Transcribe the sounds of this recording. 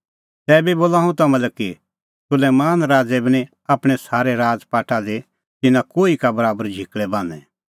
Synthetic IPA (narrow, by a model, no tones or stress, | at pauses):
t̪ɛːbiboːlaːũt̪ɐmɛ̃lɛkːi | sʊlɛmaːnɾaːd͡zɛbʱiñĩ | aːpɽ̃ɛsaːɾeɾaːd͡zpaːʈʰad̪e | t̪ɪnakoːikabɐɾaːbəɾd͡ʒʱɪkɭɛbãːnɛ